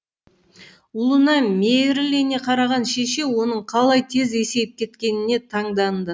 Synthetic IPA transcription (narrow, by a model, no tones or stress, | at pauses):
ulˠənɑmeɾlene̞qʰɑɾɑʁɑnʃe̞ʃe̞wo̞nəɴqʰɑlˠɑjt̪ʰe̞ze̞se̞jp̚kʲʰe̞t̪kʲe̞nɪne̞t̪ʰɑɴd̪ɑnd̪ə